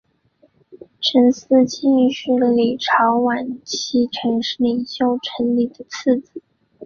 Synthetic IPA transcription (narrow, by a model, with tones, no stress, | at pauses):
ʈ͡ʂʰə˧˥ns̩˥˧t͡ɕi˥˧ŋɕy˥˩lə˩li˨˩ʈ͡ʂʰɑ˧˥ʊwa˨˩nt͡ɕʰi˧˥ʈ͡ʂʰɤ˧˥ŋʂli˨˩ŋɕjo˥˩ʊʈ͡ʂʰə˧˥nli˨˩d̪ə˦t͡s̩ʰ˥˩t͡sɹ̩˨˩˦